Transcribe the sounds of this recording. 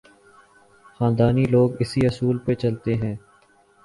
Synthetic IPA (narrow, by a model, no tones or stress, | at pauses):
xãːnd̪aːniːloːɡɪsiːəsuːlpet͡ʃəlt̪eɦɛ̃ː